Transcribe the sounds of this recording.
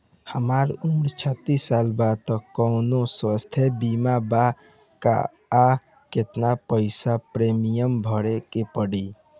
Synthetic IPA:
həmaɾumɾt͡ʃʰət̪ːisːalbad̪̚t̪əkəwnoswəst̪ʰebimaba | ka̰ | a | ket̪napəɪsapɾemijəmbʱəɽekepəɽi

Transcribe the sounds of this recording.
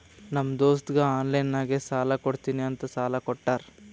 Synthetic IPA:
nɐmːɐd̪oːst̪ɡɐaːnlɐjnːaːɡesaːlɐkoɽt̪iːniɐnt̪ɐsaːlɐkɔʈːaːɾ

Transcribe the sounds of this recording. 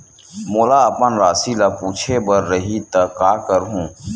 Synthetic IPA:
mʊːlaːɐpənɾaːsilapuːt͡ʃʰebəɾːəɦit̪ɐkaːkəɾɦũː

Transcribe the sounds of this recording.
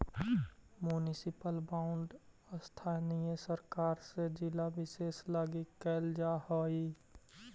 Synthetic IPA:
mjunɪsɪpəlbaːʊɳɖ | st̪ʰaːnijəsəɾkaːɾsed͡ʒɪlabɪseːslaːɡikɛːld͡ʒahoːi

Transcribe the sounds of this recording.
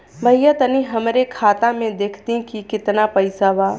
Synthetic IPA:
bʱɐjət̪əniɦɐmɾekʰaːt̪ãmẽd̪eːkʰt̪ĩkikɪt̪napɐɪsaʋaː

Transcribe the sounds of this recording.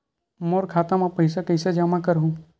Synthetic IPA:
moːɾkʰaːt̪ãmãpɐɪsakəɪsed͡ʒamakəɾɦũː

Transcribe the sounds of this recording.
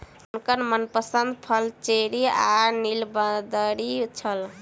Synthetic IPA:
unkəɾmənpəsənd̪pʰəlt͡ʃeɾianilbəd̪əɾit͡ʃʰəl

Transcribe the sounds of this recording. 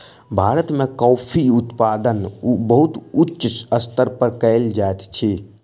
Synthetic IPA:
bʱaːɾət̪mekɔːpʰiut̪pad̪ənbəɦut̪utːʃəst̪əɾpəɾkəɪld͡ʒaet̪t͡ʃʰi

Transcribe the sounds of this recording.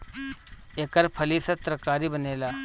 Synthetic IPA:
eːkəɾpʰəlisɐt̪ɾəkaːɾibəneːlaː

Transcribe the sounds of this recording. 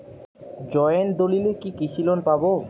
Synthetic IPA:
d͡ʑɔeend̪olilekikit͡ɕʰilonpabo

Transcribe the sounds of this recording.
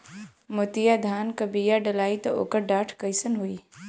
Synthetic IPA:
mʊt̪ijad̪ʱaːnkəbijaɖɐlaːit̪ɐʔo̰ːkəɾɖaːʈʰkəjsənɦuiː

